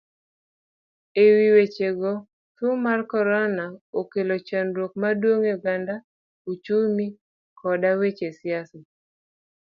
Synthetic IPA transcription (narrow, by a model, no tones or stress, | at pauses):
ewiwet͡ʃeɡɔ | tumarkɔɾɔnaokelot͡ʃanɾwok̚madwoŋeɡanda | ut͡ʃumi | kʰɔdawet͡ʃesɪasɔ